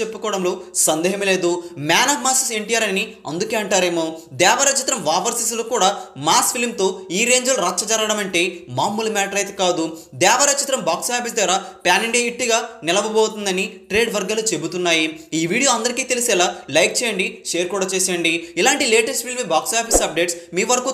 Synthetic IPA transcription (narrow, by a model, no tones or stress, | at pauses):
epːukɔːɽɐmloːsɐnd̪ɛːɦɐmle̞ːd̪umaːnɐːʋmaːsɐseɳʈijaːɾɐni | ɐ̰nd̪uke̞ːɐɳʈaːɾe̞ːmoːd̪ɛːʋɐɾɐt͡ʃit̪ɾɐmʋaːpɐɾsis̬lokuːɽaːmaːspʰilmt̪o̞ːiːɾe̞ːɲd͡ʒɐluɾɐtt͡ʃːɐt͡ʃɐɾɐɽɐmɐɳʈe̞ːmaːmulɐmaːʈɐɾɐjt̪ekaːd̪ud̪ɛːʋɐɾɐt͡ʃit̪ɾɐmbaːksaːpʰis̬d̪ɐɾaːpaːniɳɖeːɦiʈːiɡaːnɛlɐʋɐboːt̪und̪ɐniʈɾe̞ːɖʋɐɾɡaːlut͡ʃe̞but̪unːaːjiiːʋiːɽijo̞ːɐnd̪ɐɾikiːt̪elisɛːlaːlɐjk̚t͡ʃɛːjɐɳɖiʃe̞ːɾkuːɽaːt͡ʃeːseːɳɖiilaːɳʈileːʈesʈ̚pʰilmibaːksaːpʰisɐp̚ɖe̞ːʈsmiːʋɐɾɐku